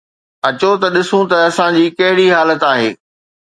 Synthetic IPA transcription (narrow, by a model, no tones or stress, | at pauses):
ɐt͡ɕot̪ɐɗɪsũt̪ɐɐsãd͡ʑiːkɐɦɪɽiɦaːlət̪aːɦḛː